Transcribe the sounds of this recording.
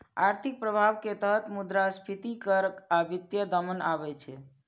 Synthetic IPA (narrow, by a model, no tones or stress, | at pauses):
aɾt̪ʰik̚pɾəbʱaʋket̪əɦət̪mud̪ɾaspʰit̪ikəɾəkabit̪jəd̪əmənabɛt͡ʃʰɛ